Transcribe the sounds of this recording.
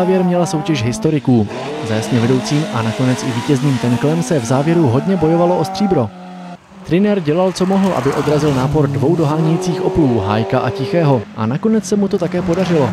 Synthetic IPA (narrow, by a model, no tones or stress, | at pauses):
vjɛɾmɲɛlaso̞wcɛʃɦɪst̪o̞ɾɪkuːzajasɲɛvɛdo̞wt͡siːmʔanako̞nɛt͡sʔɪviːcɛzniːmt̪ɛŋklɛmsɛvzaːvjɛɾuɦo̞dɲɛbo̞jo̞valoʔo̞st̪r̥iːbɾo̞ | t̪ɾɪnɛɾɟɛlalt͡so̞mo̞ɦl̩ʔa̰bɪʔo̞d̪ɾazɪlnaːpo̞ɾdvo̞wdo̞ɦaːɲɛjit͡siːxʔo̞pluːɦa̰ːjkaʔa̰cɪxɛːɦo̞ʔa̰nako̞nɛt͡ssɛmut̪o̞t̪akɛːpo̞darɪlo̞